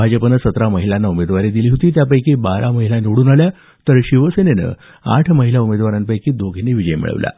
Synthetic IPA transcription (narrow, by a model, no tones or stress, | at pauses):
bʱad͡ʑəpənəsət̪ɾaməɦilanːaumed̪ʋaɾed̪iliːɦot̪iːt̪jap̬əjkiːbaɾʔaməɦilaniʋɽuːnalja | t̪əɾɕiʋəsenenə̰ | a̰ʈʰməɦilaumed̪ʋaɾanpəjkiːd̪oɡʱineʋid͡ʑəjmḭɭə̰ʋla̰